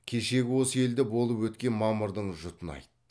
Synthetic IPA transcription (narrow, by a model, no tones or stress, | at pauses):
kʲʰe̞ʃe̞ɡʲɪwo̞səe̞ld̪ɪbo̞lˠəpwɵt̪kʲe̞nmɑməɾd̪əɴʒʊt̪ənɑ̰jt̪ə